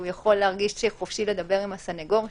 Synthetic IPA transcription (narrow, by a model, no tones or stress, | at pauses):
ujaχo̞lːeaʁɡiʃʃeχofʃile̞d̪abe̞ʁimasaneɡo̞ʁ